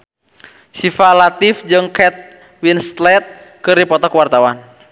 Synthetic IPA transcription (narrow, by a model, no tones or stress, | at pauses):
sifalat̪ifd͡ʒɨŋkɛt̪̚ | winst̪lɛt̪̚kɨrdipɔt̪ɔkwart̪awan